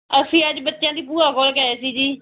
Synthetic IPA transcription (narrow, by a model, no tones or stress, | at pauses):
əsĩːəd͡ʒbətːʃjãːd̪iːp̬uːɾaːkoːlkɛːeːsiːd͡ʒiː